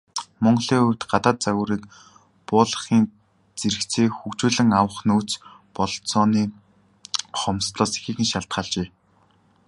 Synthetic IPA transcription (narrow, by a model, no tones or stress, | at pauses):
mɔɴɢɮiːɵr̥ʲt̪ɢat̪aːt̪̚t͡saɣʊːɾiːk | pʊːɮə̆χiːn | t͡seɾɘ̆kt͡sʰeːxukt͡ɕuːɮɘ̆ŋawə̆χnuːt͡spɔɮ̆t̪t͡sɔːniː | χɔmst̪ɮɔːse̥xiːxɘ̆ŋʃaɬt̪χaːɮt͡ɕeː